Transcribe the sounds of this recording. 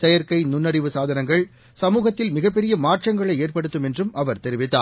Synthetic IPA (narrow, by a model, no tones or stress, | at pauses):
sɛjɐɾkɐɪnʊnːɐɽɪʋɯsaːðɐnɐŋɡɐɭ | sɐmuːɣɐt̪ːɪlmɪɣɐpːɛɾɪjɐmaːrʈrɐŋɡɐɭɐɪeːrpɐɽɯt̪ːɯmɛndrɯmɐʋɐɾt̪ɛɾɪʋɪt̪ːa̰ː